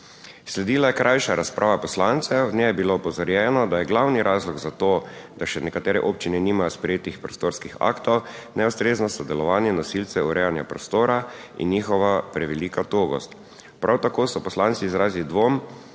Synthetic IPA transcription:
slɛd̪iːlajɛkɾʔajʃaɾaspɾʔaːʋapɔslant̪sɛɔd̪nɛjɛbiloːpɔzaɾjɛːnɔd̪ajɛɡlawniɾʔaːzlɔɡzat̪oːd̪̥aʃɛnɛkat̪ɛːɾɛʔoːp̚t͡ʃinɛniːmajɔspɾɛjeːt̪ixpɾɔst̪oːɾskixa̰kt̪ɔwnɛust̪ɾeːznɔsɔd̪ɛlɔʋaːnjɛnɔsilt̪sɛuɾɛːjanjapɾɔst̪oːɾaḭnːiːxɔʋapɾɛʋɛliːkat̪oːɡɔ̰st̪ | pɾʔawt̪akoːsɔpɔslant̪siːzɾaːzilid̪ʋom

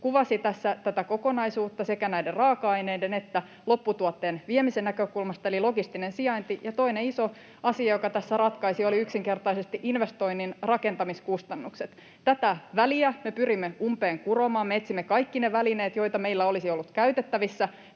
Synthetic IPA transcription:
kuʋɑsit̪æsːæt̪æt̪æko̞konɑisuːt̪ːɑse̞kænæjderrɑːkɑɑineidene̞t̪ːæ | lo̞pːut̪uɑt̪ːe̞ːnʋiemisenːækøkulmɑst̪ɑelilo̞ɡist̪inensiɑint̪ijɑt̪o̞ineiso | ɑsiɑjokɑt̪æsːærɑt̪kɑisio̞liyksiŋke̞rt̪ɑisest̪iʔinʋest̪o̞ininrɑke̞nt̪ɑmiskust̪ɑnːukset̪ | t̪ːæt̪æʋæliæmepyrimːeumpeːŋkuromɑːmmeet̪simːekɑikːineʋælineːt̪jo̞jt̪ɑmeilːæo̞lisiolːut̪kæyt̪et̪ːæʋisːæ

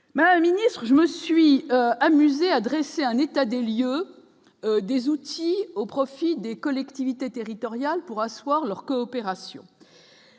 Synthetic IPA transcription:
mad̪ammːinist̪χəʒəməsɥiamyzead̪ʁɛseɛ̃net̪ad̪eljø | d̪ezut̪ʰiopχɔfid̪ekɔlɛkt̪ivit̪et̪eʁit̪ɔʁjalpuʁaswaʁlœʁkɔːpeʁasjɔ̰̃

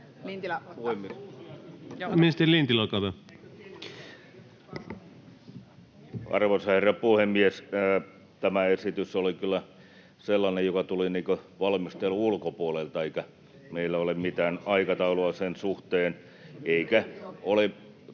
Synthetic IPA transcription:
puem | miest̪elint̪ilokɑʋe | ɑ̰rʋosɑherɑpuhemːies | t̪æmæesit̪ysolikylːˑæ | selːɑnejjokɑt̪uliniːkøʋɑlmist̪elːuulkopuolelt̪ɑeikæ | meilːæolemmit̪æːnɑikɑt̪ɑuloɑsensuht̪eːn | eikæole

